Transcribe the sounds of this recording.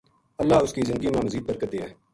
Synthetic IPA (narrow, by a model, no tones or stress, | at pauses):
əlːaːʊskiːzɪnd̪əɡiːmãːməziːd̪̚bəɾkəd̪eːɛː